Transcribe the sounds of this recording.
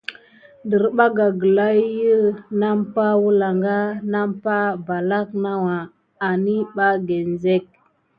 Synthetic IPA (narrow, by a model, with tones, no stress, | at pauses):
də˨ɾɓa˦ɡa˨ɡə˨la˦jə˦na˦mpa˦wu˦la˨ŋɡa˦na˦mpa˦ba˨la˦kna˦wa˨ | a˨ni˦ɓa˦ɡe˨n˨ze˦k̚